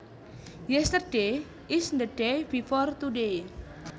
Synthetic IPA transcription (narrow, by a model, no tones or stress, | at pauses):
jɛst̪ərɖ̥e | ɪsnd̪əɖebifɔrt̪uɖe